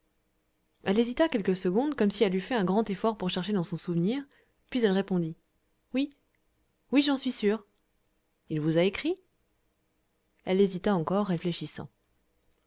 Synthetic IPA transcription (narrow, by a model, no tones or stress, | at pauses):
ɛlezit̪akʲɛlkəsəɡɔ̃d̪kɔmsiɛlyfɛɛ̃ɡʁɑ̃t̪efɔʁpuʁʃɛʁʃed̪ɑ̃sɔ̃suvniːʁ | pɥizɛlʁepɔ̃d̪i | wi | wiʒɑ̃sɥisyːʁ | ilvuzaekχi | ɛlezit̪aɑ̃kɔʁːefleʃisɑ̰̃